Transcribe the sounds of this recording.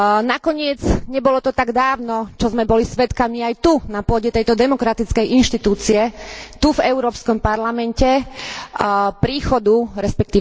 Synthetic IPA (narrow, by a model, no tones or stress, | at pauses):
nakɔɲɪɛd͡zɲɛbɔlɔt̪ɔt̪aɡd̪aːʊnɔt͡ʃɔzmɛbɔlisʋɛt̪kamiajt̪unapʊɔɟɛt̪ɛjt̪ɔd̪ɛmɔkɾat̪it͡skɛjʔinʃt̪it̪uːt͡siɛt̪uvɛʊɾɔːpskɔmpaɾlamɛncɛ | pɾiːxɔd̪uɾɛspɛk̚t̪iː